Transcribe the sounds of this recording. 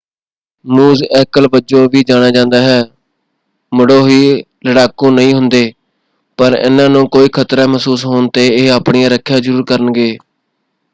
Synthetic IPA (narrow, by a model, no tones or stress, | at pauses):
muːzɛːkəlbəd͡ʒõːʋiːd͡ʒaːñaːd͡ʒãːnd̪aːɦɛː | mʊɽoːɦiː | ləɽaːkõːnəĩːɦʊnd̪eː | pəɾɪ̰nãːnõːkoːiːkʰət̪ɾaːməsuːsɦoːɳt̪eːeːaːpɳɪjãːɾəkʰːjãːzəɾuːɾkəɾənɡeː